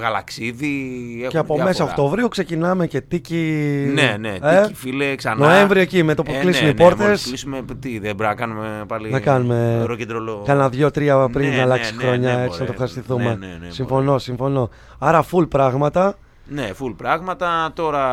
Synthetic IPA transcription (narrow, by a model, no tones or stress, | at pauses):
ɣɐlɐksiðieceɐpome̞ssɐokt̪o̞vɾiukse̞cinɐme̞ce̞t̪icineneeifileksɐnnoe̞ɱvɾiocimet̪opoklisumipo̞ɾt̪e̞slisumet̪iðebɾɐkɐnumepɐlinɐkɐnume̞ɾoced̪ɾolokɐnɐðʝo̞t̪ɾiɐpɾinːɐlɐkssii̥xɾo̞ɲɐe̞t͡st͡sinɐt̪ofxɐsist̪iθume̞nsiɱfo̞no̞siɱfo̞no̞ | ɐɾɐfulpɾɐɣmɐt̪ɐ | nefulpɾɐɣmɐt̪ɐt̪o̞ɾɐ